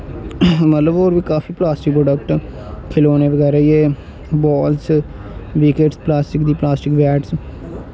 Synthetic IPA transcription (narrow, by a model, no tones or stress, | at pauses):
mət̪ləboːɾʋiːkaːfʰiːplaːsʈɪkpɾoːɖəkʈ | kʰeloːneːʋəɡɛːɾaːieː | bɔːls | ʋiːkeːʈsplaːsʈɪkd̪iːplaːsʈɪkʋɛːʈs